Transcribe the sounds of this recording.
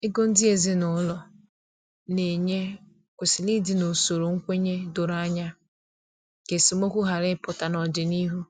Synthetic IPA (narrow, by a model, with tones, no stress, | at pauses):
ɪ˦ɡo˦n̩˦dɪ˦e˨zɪ˦nʊ˦lɔ˨ | ne˨ɲe˦ | kʷe˨sɪ˨li˦dɪ˨no˨so˨ɾo˨ŋ̩˦kʷe˦ɲe˦do˨ɾa˦ɲa˦ | ke˨si˨mo˦kʷu˦ɦa˨ɾɪ˦pʊ˨ta˨nɔ˨dɪ˨ni˦ɦu˦